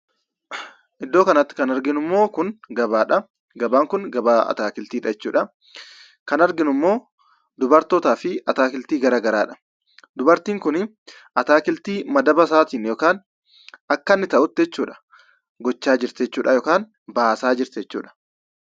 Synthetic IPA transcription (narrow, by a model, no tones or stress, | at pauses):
ʔɪd̪ːoːkɐnɐt̪ːɪ̥kɐnɐɾɡɪnʊmːo̞ːkʊnɡɐbaːᶑɐ | ɡɐbaːŋkʊnɡɐbaːɐ̰t̪aːkɪlt̪iːᶑɐd͡ʒɛt͡ʃːuːᶑɐ | kɐnɐɾɡɪnʊmːo̞ː | d̪ʊbɐɾt̪oːt̪aːfɪɐt̪aːkɪlt̪iːɡɐɾaːɡɐɾaːᶑɐ̥ | d̪ʊbɐɾt̪iːŋkʊn | ʔɐt̪aːkɪlt̪iːmɐd̪ɐbɐsaːt̪iːnjoːkaːn | ɐkːɐnːɪt̪ɐʔʊt̪ːɪd͡ʒɛt͡ʃːuːᶑɐ̥ | ɡɔt͡ʃːaːd͡ʒɪɾt̪ɛt͡ʃːuːᶑɐjoːkaːn | baːsaːd͡ʒɪɾt̪ɛt͡ʃːṵːᶑɐ̥